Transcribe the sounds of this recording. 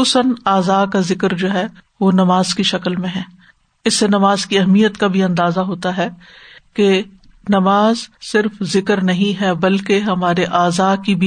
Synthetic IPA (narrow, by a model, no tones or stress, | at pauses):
uːsənaːzaːkazɪkəɾd͡ʒoːɦɛʋonɐmaːzkiʃɐkəlmẽɦɛ̃ː | ɪsːenɐmaːzkiɐɦmijət̪kabʱiɐ̃nd̪aːzaɦoːt̪aɦɛ | ke | nɐmaːzsɪɾfzɪkəɾnɐɦĩɦɛbɐlkeɦɐmaːɾeʔaːzaːkibʱi